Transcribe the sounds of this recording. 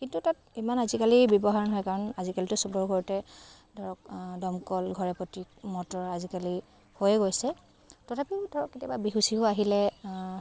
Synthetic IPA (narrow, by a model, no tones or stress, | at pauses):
kintutat | imanazikalibjɔbɔɦaɹɔnɦɔjkaɹɔnazikalitʊsubɔɹɡʱɔɹitɛ | dʱɔɹɔkdɔmkɔlɡʱɔɹɛpɔtimɔtɔɹazikali | hojɛɡojsɛ | tɔtʰapidʱɔɹɔkːetjababiɦusiɦoaɦilɛ